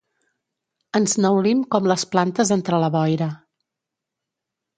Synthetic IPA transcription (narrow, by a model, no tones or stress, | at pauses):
ənznəwlimkɔmləsplant̪əzənt̪ɾələβɔjɾə